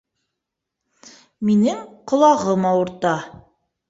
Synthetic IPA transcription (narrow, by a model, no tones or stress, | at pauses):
minɘŋqŏlˠɑʁɤmɑwɤ̆ɾt̪ɑ